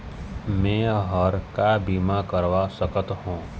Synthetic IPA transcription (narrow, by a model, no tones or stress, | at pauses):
mẽːɦɔɾkabiːmakəɾʋasəkət̪ɦõː